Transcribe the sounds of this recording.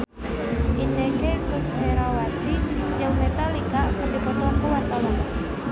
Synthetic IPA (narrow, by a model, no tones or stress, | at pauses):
inekekʊsheɾawat̪id͡ʒɨŋmet̪alikakəŋdipɔt̪ɔankuwart̪awan